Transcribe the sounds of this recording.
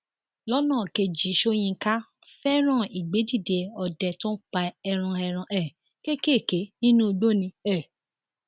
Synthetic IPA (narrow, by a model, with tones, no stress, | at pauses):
lɔ˦nãː˦˨ke˧d͡ʒi˨˦ʃo˦j̃ĩ˧ka˦ | fɛ˦ɾ̃ã˦˨i˨ɡ͡be˨˦di˦˨de˨˧ɔ˧˨dɛ˨˧tɔ̃˦k͡pa˧ɛ˧ɾ̃ã˧ɛ˧ɾ̃ã˧ʔɛ˦˨ | ke˦ke˦˨ke˨˦nĩ˦nũ˦o˧ɡ͡bo˦˨nĩ˧ɛ˦˨